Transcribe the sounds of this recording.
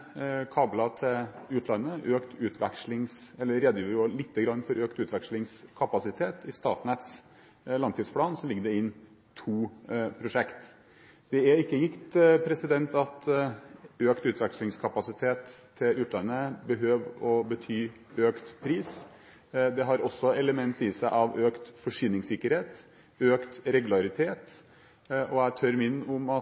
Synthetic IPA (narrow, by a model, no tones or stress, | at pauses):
kʰɑːblɑt̪ʰɪlʉːt̪lɑnːəʔøːkt̪ʰʉːt̪ʰʋɛ̰kʂlɪŋsɛlːəɾɛd̪jəɾoːlɪt̪ːəɡɾɑnːfɔɾʔøːkt̪ʉːt̪ʰʋɛkʂlɪŋskʰɑpɑsɪt̪ʰeːt̪ʰɪst̪ɑːʈnɛt̪s | lɑŋt̪ʰiːd̪spʰlɑːnsɔlɪɡəd̪ɛɪnː | t̪ʰuːpʰɾʊʂɛkt̪ | d̪̥ɛæɾɪkːəjɪkt̪pʰɾɛsɪd̪ɛnt̪ɑt̪ | øːkt̪ʉːt̪ʋæɾkʂlɪŋskʰɑpɑsɪt̪ʰeːt̪ʰː | ɪlʉːt̪lɑnəbəɦøːʋɔbət̪ʰyː | øːkt̪pʰɾiːs | d̪ɛɦɑɾɔsːɔɛləmɛnt̪ɪsæɪʔɑʋøːkt̪fɔʂyːnɪŋsɪkːəɾheːt̪ | øːkt̪ɾɛɡʉlɑɾɪt̪ʰeːt̪ | ʔɔæɪt̪ʰœɾmɪnːʊmɑ